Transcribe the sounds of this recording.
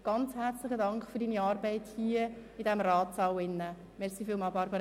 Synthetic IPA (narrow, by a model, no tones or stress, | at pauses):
ɡ̥ɑnt͡shæɾt͡slɪχədɑŋkχfyɾdiːniɑːɾbɛɪthiəidɛmɾɑːtt͡sɑwɪnːə | mɛɾχsiːfiːlmɑːlbɑɾbəɾ